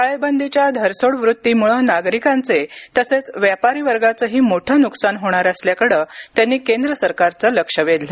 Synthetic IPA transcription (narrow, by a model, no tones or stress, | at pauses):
kaɭebənd̪ʱit͡ɕjad̪ʱəɾsoɽʋɾut̪ːiːmuɭənaɡɾikãnt͡set̪əset͡sʋjapaɾiːʋəɾɡat͡səɦiːmoʈʰəːnuksanɦoɽ̃aɾəsljakəɽəːt̪janːiːkend̪ɾəsəɾkaɾt͡səːləkʂəʋed̪le